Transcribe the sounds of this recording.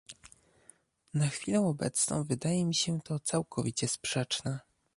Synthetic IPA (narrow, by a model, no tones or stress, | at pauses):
naxfʲilɛw̃ɔbɛ̰t̪snɔ̰̃w̃vɘd̪ajɛmʲiɕɛt̪ɔt̪sawkʰɔvʲit͡ɕɛspʂɛt͡ʂnɛ